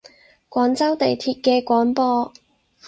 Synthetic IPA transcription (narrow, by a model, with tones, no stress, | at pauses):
kʷɔː˨˥nt͡sɐ˥wt̪e˨jt̪ʰiː˧t̚kɛː˧kʷɔː˨˥npɔː˧